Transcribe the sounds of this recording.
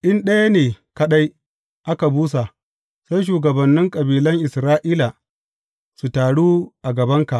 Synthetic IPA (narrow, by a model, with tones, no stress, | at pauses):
ʔɪ˦nɗɐ˦ja˦neː˨kɐ˦ɗa˦j | ʔa˦ka˨buː˦s̬a˨ | sa˦jʃ̬uː˨ɡɐ˨bɐ˨nːɪ˦ŋkʼɐ˨biː˨lɐ˦ŋʔɪ˨sɾaː˦ʔiː˦la˨ | su˨taː˨ɽuː˦ʔa˨ɡɐ˨bɐ˦ŋka˨ʔ